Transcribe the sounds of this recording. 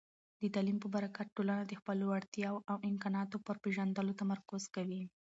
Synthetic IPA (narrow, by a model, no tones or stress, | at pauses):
d̪ət̪ɑlimpəbaɾakat̪̚ʈːolanad̪əxpəloaɽt̪jɑwʔawɪmkɑnɑt̪opəɾpeʒand̪əlot̪amaɾkʊz̥kawi